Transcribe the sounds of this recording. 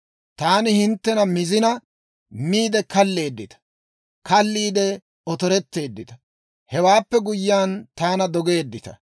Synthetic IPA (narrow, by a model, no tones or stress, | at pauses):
t̪aːnɪhɪnt̪ːɛnɐmɪzɪnɐ | miːd̪ɛkɐlːe̞ːd̪ːɪt̪ɐ̥ | kɐlːiːd̪ɛ | ɔt̪ɔɾɛt̪ːe̞ːd̪ːɪt̪ɐ̥ | hɛwaːpːɛɡʊjːaːnt̪aːnɐd̪ɔɡe̞ːd̪ːɪt̪ɐ̰